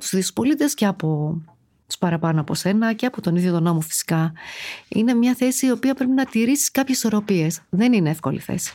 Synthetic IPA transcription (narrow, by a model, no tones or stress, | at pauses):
t̪u̥sðispo̞lit̪e̞sceɐpo̞ | t̪u̥spɐɾɐpɐnoɐpose̞nɐceɐpot̪o̞niðjo̞t̪uno̞mofi̥si̥kɐ | ḭne̞mɲɐθe̞siːo̞piɐpɾe̞pinɐt̪iɾisi̥skɐpçesi̥so̞ɾo̞pie̞sðe̞nineefko̞̰lḭθḛsi̥